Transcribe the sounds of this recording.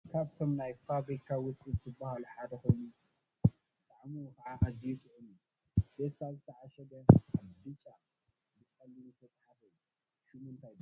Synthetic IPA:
kʰaβt̪ʰo̞mnajfabɾikʰawʊt͡sʼiz̥ɨbːahaluħad̪ɐkojnu | bɨt̪ʼaʕmukɐʕaʔazijut̪ʼuʔɨnu | best̪ʰazɨt̪ʰɐʕaʃɐd̪ɐad̪ɨt͡ʃʼa | bɨt͡sʼɐlːinzɨt̪ʰɐt͡sʼħafɐju | ʃumɨnt̪ʰajbɨ

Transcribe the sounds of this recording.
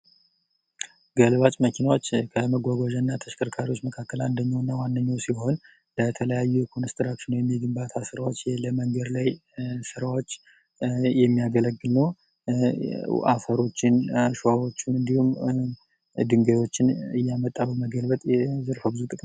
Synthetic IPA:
ɡəlβat͡ʃʼməkʰinawot͡ʃːkʰəməɡʷaɡoʒənːat̪ʰəʃkʰəɾkʰaɾiwo̞t͡ʃːməkʰakːəland̪əɲːawnːawanːəɲːawsiho̞n | lət̪ʰələjajːukʰonɨst̪ʰɨɾakʃɪnəwjɛmːiɡɨmbat̪ʰasɨɾawo̞t͡ʃːjləməŋɡəd̪lajsɨɾawo̞t͡ʃː | jɛmːijaɡələɡːɨlnəw | ʔa̰fəɾo̞t͡ʃːɪnʃoawo̞t͡ʃːunɨnd̪ihum | d̪ɨŋɡəjo̞t͡ʃːɪnɨjːamət̪ʼːaβəwməɡəlbət̪ʼɛzɨɾfəbɨzut̪ʼɨkʼm

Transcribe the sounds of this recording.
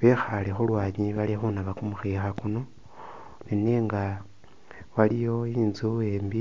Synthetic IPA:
βexalexulwaːɲiβalexunaβakumuxexakuno̞ | nine̞ːŋɡa | walijo̞iːnzueːmbi

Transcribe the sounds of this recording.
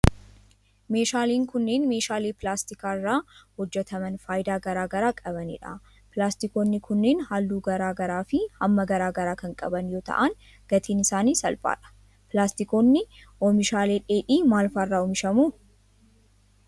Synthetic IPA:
me̞ːʃaːliːŋkʊnːe̞ːnme̞ːʃaːleːpɪlaːst̪ɪkaːɪrːaːhɔd͡ʒːɛt̪ɐmɐnfaːjd̪aːɡɐɾaːɡɐɾaːkʼɐbɐnɪ̰ᶑa̰ | pɪlaːst̪ɪko̞ːnːɪkʰʊnːe̞ːnhaːlːuːɡɐɾaːɡɐɾaːfɪɐmːɐɡɐɾaːɡɐɾaːkɐŋkʼɐ̰bɐnjo̞ːt̪ɐ̰ʔan | ɡ̥ɐt̪ʰiːnɪsaːniːsɐ̰lfʼa̰ːᶑɐ̥ | pɪlaːst̪ɪko̞ːnːɪʔɔmɪʃaːle̞ːᶑe̞ːᶑiːmaːlfaːɪrːaːɔmɪʃɐmuː

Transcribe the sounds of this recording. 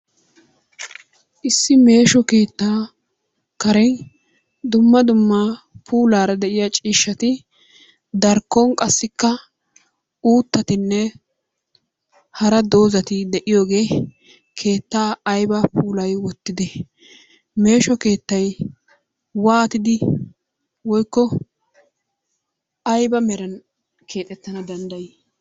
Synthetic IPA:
ʔɪsːɪme̞ːʃɔke̞ːt̪ːaː | kɐɾɛn | d̪ʊmːɐd̪ʊmːa | pʰuːlaːɾɐd̪ɛʔɪjat͡ʃʼiːʃːɐt̪ɪ | d̪ɐɾkːɔŋkʼɐsːɪkːɐ | uːt̪ːɐt̪ɪnːɛ | hɐɾɐd̪o̞ːzɐt̪ɪd̪ɛʔɪjo̞ːɡe̞ː | kʰe̞ːt̪ːaːjbɐpʰuːlɐjwɔt̪ːɪd̪ɛ | me̞ːʃɔke̞ːt̪ːɐj | waːt̪ɪd̪ɪ | wɔjkːɔ | ɐjbɐmɛɾɐn | kʰeːt̪ʼɛt̪ːɐnɐd̪ɐnd̪ɐj

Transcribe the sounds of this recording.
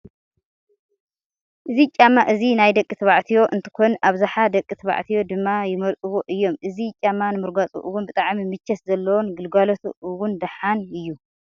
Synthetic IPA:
ʔɨzit͡ʃʼamaʔɨzinajd̪ɐkʼːɨt̪ʰɨβaʕt̪ʰijo̞ʔɨnt̪ʰɨ̥kʰonʔaβzaħad̪ɐkʼːɨt̪ʰɨβa̰ʕt̪ʰijo̞d̪ɨmːajɪmɐlʔʼɨwoʔɨjːo̞mʔɨzit͡ʃʼamːanɨmɨɾɡat͡sʼṵʔɨwʊnbɨt̪ʼaʕmimɨt͡ʃːɛszɐlːɐwonɡɨlɡalot̪ʰṵʔɨwʊnd̪ɐħanɨjːu

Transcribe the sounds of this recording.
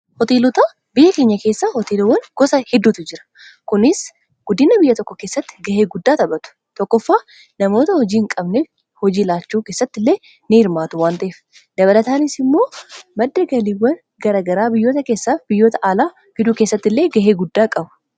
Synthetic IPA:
hɔt̪eːlɔt̪aː | bɪjːɐke̞ːɲːɐke̞ːsːaːhɔt̪eːlɔwːɐnɡ̥ɔsɐhɛd̪ːuːt̪ɪd͡ʒɪɾɐ̥ | kʊnɪs | ɡ̥ʊd̪ɪnɐbɪjːɐt̪ɔkːɔke̞ːsːɐt̪ːɪ̥ɡɐheːɡʊd̪ːaːt̪ɐbɐt̪ʊ̥ | t̪ɔkːɔfːaː | nɐmo̞ːt̪ɐhɔd͡ʒiːŋkʼɐbnef | hɔd͡ʒiːlaːt͡ʃːuːke̞ːsːɐt̪ːɪlːe̞ː | nɪhɪɾmaːt̪ʊwaːnt̪ɐʔeːf | d̪ɐβɐlɐt̪aːnɪsɪmːo̞ːmɐd̪ːɐɡɐliːwːɐn | ɡɐɾaːɡɐɾaːbɪjːo̞ːt̪ɐke̞ːsːaːfbɪjːo̞ːt̪ɐʔaːlaː | fɪd̪uːke̞ːsːɐt̪ːɪlːeːɡɐɦeːɡʊd̪ːaːkʼɐbɐ̥

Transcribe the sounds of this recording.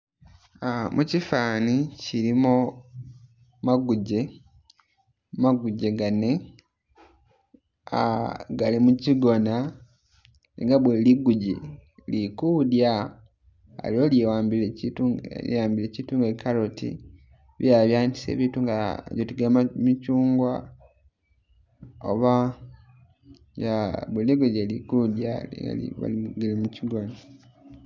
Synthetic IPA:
amʔucifaːniciɾimo | maɡuɟe̞ | maɡuɟe̞ɡane̞ | aɡalimuciɡo̞na | ḛŋɡaβweliɡuɟḭlikudja | a̰lioljiwaːmbileitṵḭwaːmbilecituːŋɡekalotḭ | βjaβjaːndi̥sḛːβiːtuŋɡa̰βjotiɡamamicuːŋɡwa | o̰βa | jaβweliɡuɟelikudjaḛɡa̰lḭβa̰liɡelimuciɡona

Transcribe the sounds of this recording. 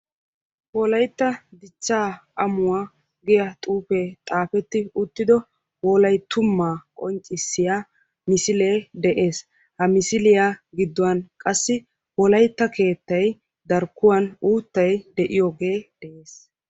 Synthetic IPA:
wɔlɐjt̪ːɐd̪ɪt͡ʃːaːʔɐmʊwaː | ɡɛjɐt̪ʼuːpet̪ʼaːfɛt̪ːɪʊt̪ːɪd̪ɔ | wɔːlɐjt̪ʊmːaːkʼɔnt͡ʃʼːɪsːɪja | mɪsɪleːd̪ɛʔe̞ːs | hɐmɪsɪlɪjaɡɪd̪ːʊwɐnkʼɐsːɪ | wɔlɐjt̪ːɐke̞ːt̪ːɐj | d̪ɐɾkːʊwɐnuːt̪ːɐjd̪ɛʔɪjoːɡe̞ːd̪̥ɛʔeːs

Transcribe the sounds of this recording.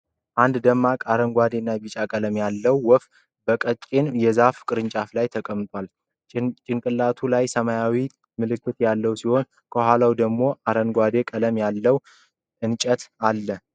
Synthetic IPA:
ʔand̪d̪əmːakʼaɾənɡʷad̪e̞nːajbit͡ʃʼakʼələmjalːəwːɔf | bəkʼət͡ʃʼːenjɛzafkʼɨɾɨnt͡ʃʼaflajt̪ʰəkʼəmt̪ʼwal | t͡ʃʼɪnkʼɨlːat̪ʰulajsəmajawi | mɨlɨkːɨt̪jalːəwsiho̞n | kʰəhʷwalawd̪əɡmo̞ʔaɾənɡʷad̪e̞kʼələmjalːəw | ɨnt͡ʃʼət̪alːə

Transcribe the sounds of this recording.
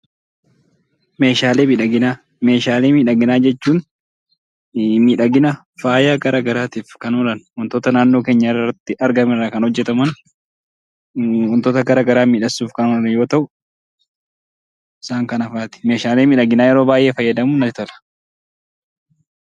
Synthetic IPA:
me̞ːʃaːleːmiᶑɐɡɪna | me̞ːʃaːleːmiːᶑɐɡɪnaːd͡ʒɛt͡ʃːuːn | miːᶑɐɡɪna | faːjaːɡɐɾaːɡɐɾaːt̪iːfkɐnɔlɐnhɔnt̪oːt̪ɐnaːnːoːke̞ːɲːɐɪrːɐt̪ːɪʔɐɾɡɐmɪrːaːkɐnhɔd͡ʒːɛt̪ɐmɐn | hʊnt̪oːt̪ɐɡɐɾaɡɐɾaːmiːᶑɐsːuːfkɐnɔlɐnjo̞ːt̪ɐʔʊ | ɪsaːŋkɐnɐfaːt̪ɪ̥meːʃaːleːmiːᶑɐɡɪnaːjɛɾo̞ːbaːjʔe̞ːfɐjːɐd̪ɐmuːnɐɪt̪ɐlɐ̥

